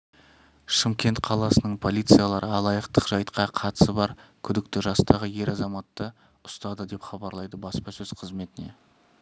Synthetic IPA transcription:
ʃɪmkʲe̞nt̪qʰɑlˠɑsənəɴpʰo̞lʲijt̪sɨjalˠɑɾʔəɑlˠɑjəqt̪əqʒ̥ɑjt̪qʰɑqʰɑt̪ə̥səbɑɾkʲʰʏd̪ɪkt̪ɪʒɑst̪ɑʁəje̞ɾɑzɑmɑt̪ːə | ʊ̥st̪ɑd̪əd̪e̞pχɑbɑɾlˠɑjd̪əbɑspɑsɵz̥qʰəzme̞t̪ɪne̞̰

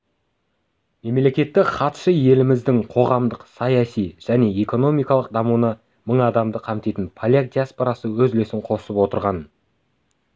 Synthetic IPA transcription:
me̞mle̞kʲe̞t̪ːɪkχɑt̪ʃəje̞lɪmɪzd̪ɪŋqʰo̞ʁɑmd̪əqsɑjɑsijʒ̥æne̞eko̞no̞mijkɑlˠəq̚d̪ɑmunə | məɴɑd̪ɑmd̪əqʰɑmt̪e̞jt̪ɪnpʰolʲak̚d̪ʲijaspo̞ɾɑsəwɵzlesɪɴqʰo̞səpwo̞t̪əɾʁɑn

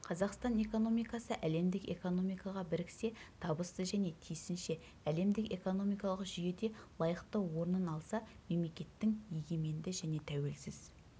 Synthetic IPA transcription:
qʰɑzɑqst̪ɑne̞ko̞no̞mijkɑsəʔæle̞md̪ɪke̞̰ko̞no̞mijkɑʁɑbɪɾkʲʰɪ̥se̞t̪ʰɑbəsəzʒæne̞t̪ʰijsɪnʃe̞ | æle̞md̪ɪke̞̰ko̞no̞mijkɑlˠəqʒʏje̞d̪e̞lˠɑjəqt̪əwo̞ɾənənɑlˠsɑme̞mle̞kʲe̞t̪ːɪŋje̞ɡʲe̞me̞nd̪ɪʒæne̞t̪ʰæwe̞lsɪz

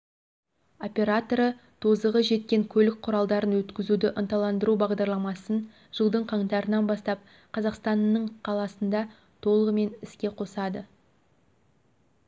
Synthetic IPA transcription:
o̞pʲe̞ɾat̪o̞ɾət̪ʰozəʁəʒe̞t̪̚kʲe̞ŋkʲʰɵlɪk̚qʰʊɾɑlˠd̪ɑɾənwɵt̪kʲɪzud̪ɪʔʊnt̪ɑlˠɑnd̪əɾubɑʁd̪ɑɾlˠɑmɑsən | ʒ̥əlˠd̪əɴqʰɑɴt̪ɑɾənɑnbɑst̪ɑp̚ | qʰɑzɑqst̪ɑnːəɴqʰɑlˠɑsənd̪ɑ | t̪ʰo̞lˠəʁəme̞nɪskʲe̞qʰo̞sɑd̪ə

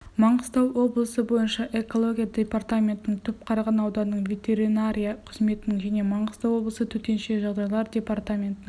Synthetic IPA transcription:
mɑɴəst̪ɑwwo̞blˠəsəbo̞jənʃɑʔe̞ko̞lˠo̞ɡʲijad̪ʲe̞part̪amʲe̞nt̪ɪnɪŋt̪ʰʏp̚qʰɑɾɑʁɑnɑwd̪ɑnːəɴvʲe̞t̪ʲe̞ɾinaɾʲijɑqʰəzme̞t̪ɪnɪŋʒæne̞mɑɴəst̪ɑwo̞blˠəsət̪ʰɵt̪e̞nʃe̞ʒɑʁd̪ɑjlˠɑɾdʲe̞part̪amʲe̞nt̪ɪn

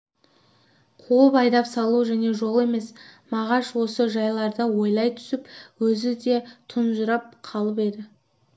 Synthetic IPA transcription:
qʰuwəpɑjd̪ɑpsɑlˠuʒæne̞ʒo̞lˠe̞me̞smɑʁɑʃwo̞səʒɑjlˠɑɾd̪əwo̞jlˠɑjt̪ʰʏ̥sɪpwɵzɪd̪e̞t̪ʰʊnʒʊɾɑp̚qʰɑlˠəpe̞d̪ɪ

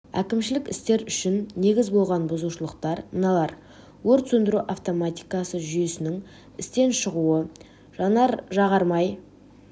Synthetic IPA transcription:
æ̰kʲɪmʃɪlɪkɪ̰st̪e̞ɾʏʃɪnːe̞ɡʲɪzbo̞lˠʁɑnbʊzuʃəlˠəq̚t̪ɑɾənɑlˠɑɾ | wɵɾt̪sɵnd̪ɪɾuʔaft̪omat̪ʲijkɑsəʒʏje̞sɪnɪŋ | ɪst̪e̞nʃəʁuə | ʒɑnɑɾʒɑʁɑɾmɑj

